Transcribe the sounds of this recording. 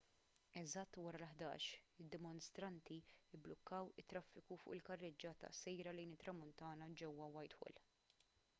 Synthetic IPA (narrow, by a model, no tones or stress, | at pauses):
ɛzɐt̪ːwɐɾɐlħd̪ɐ̰ːʃɪd̪ːɪmʊnst̪ɾɐnt̪iɪbːlɔkːɐwɪt̪ːɾɐfːɪkufʊ̰ʔɪlkɐrːɪd͡ʒɐt̪ɐ̰sɛjɾɐlɛjnɪt̪ːɾɐmʊnt̪ɐːnɐd͡ʒɛwːɐwɐjt̪hɔ̰l